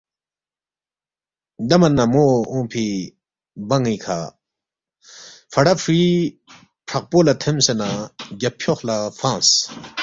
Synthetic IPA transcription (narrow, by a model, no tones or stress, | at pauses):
d̪ɐmɐnːamoõːpʰi | bɐŋikʰa̰ | fɐɽafʰɾi | pʰɐq̚poːlat̪ʰemsenaɡɐpʰjoxlafãːs